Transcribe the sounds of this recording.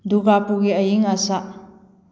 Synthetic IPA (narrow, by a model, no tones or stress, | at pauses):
duɡapuɡiəjiŋasaʔ